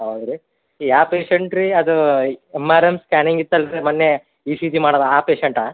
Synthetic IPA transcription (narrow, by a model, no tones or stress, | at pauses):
ɦɐwd̪ɾi | iaːpeːʃeɳʈɾiɐd̪uemaːɾemskʲaːniŋɡit̪ːɐlɾemɐnːe | iːsiːt̪imaːɽɐd̪ɐaːpeːʃeɳʈaː